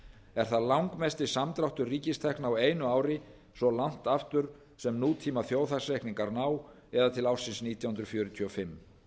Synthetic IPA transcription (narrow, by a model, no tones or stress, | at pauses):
ɛɾ̥θaðlawŋkmɛst̪ɪsamt̪ɾawht̪ʏriːcɪst̪ʰɛhknaaweːjnʏaːwɾɪ | sɔlan̥t̪aft̪ʏɾ̥ | sɛmnuːt̪ʰiːmaθjoːwθasrejkniŋkaɾnaːw | ɛðat̪ʰɪlawr̥sɪnsniːt̪ʰjawhʏnɾʏfjœːɾʏt̪ʰiːɔfɪmː